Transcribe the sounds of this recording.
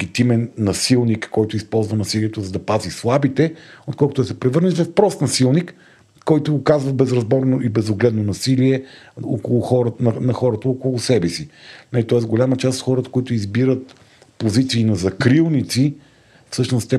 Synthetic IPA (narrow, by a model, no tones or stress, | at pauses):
ɡʲit̪imɛnːɐsilˠnikːɔjt̪ʊispɔlˠzvɐnɐsiliɛt̪ʊzɐd̪ɐpazislˠabit̪ɛot̪̚kɔlˠkʊt̪ɛsɛpɾɛvɤɾnɛt̪vɐfpɾɔst̪nɐsilˠnik | kːɔjt̪ʊːkazvɐbɛzɾɐzbɔɾnoibɛzoɡlɛd̪nonɐsiliɛo̰kolˠʊxɔɾnɐnɐxɔɾət̪əokʊlˠʊsɛbɛsinɐlit̪ɔɛsɡolʲamət͡ʃast̪t̪xɔɾət̪ə̥koit̪ʊizbiɾət̪ | pozit̪siːnɐzɐkɾilˠnit̪si | fsɤʃnʊst̪ɛ